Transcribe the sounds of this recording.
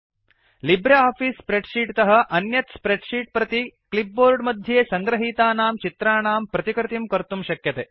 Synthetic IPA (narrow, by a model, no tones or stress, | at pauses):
libɾeaːpʰiːsːpɾeɖʃiːʈt̪ɐɦɐ̆ʔɐnjɐt̪spɾeɖʃiːʈ̚pɾɐt̪iklip̚boːɾɖmɐd̪ʱjeːsɐŋɡɾɐɦiːt̪aːnaːmt͡ʃit̪ɾaːɳaːmpɾɐt̪ikɾt̪imkɐɾt̪umʃɐkjɐt̪eː